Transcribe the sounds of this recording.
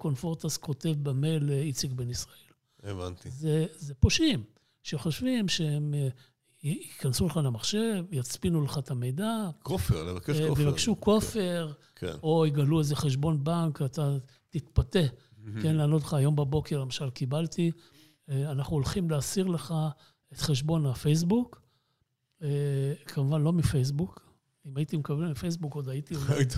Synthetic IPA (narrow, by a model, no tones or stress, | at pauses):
ko̞nfo̞ʁt̪asko̞t̪e̞vbame̞lit͡sikbenisʁae̞l | eva̰nt̪izezepoʃim | ʃeχoʃvimʃeem | ikansuleχalemaχʃe̞vjat͡spinuleχat̪ame̞jd̪akofḛʁlḛvakeʃvjevakʃuko̞fe̞ʁ | kḛno̞iɡaluezeχeʃ̬bo̞nbaŋkat̪a | t̪it̪pate̞ | kenlaːnot̪̬leχaːjo̞mbabo̞keʁlemaʃalkibalt̪i | anaχnuolχimleasiʁle̞χa | et̪χe̞ʃbo̞nafejs̬buk | ekʰamuvanlo̞mifejs̬buk | imajit̪imekabelmifejs̬buko̞d̪ajit̪i